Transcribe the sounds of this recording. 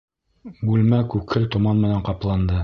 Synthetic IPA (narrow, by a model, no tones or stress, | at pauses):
bʉlmækʉkʰɘlt̪ŏmɑnmɘ̆næɴqɑplˠɑnd̪ɤ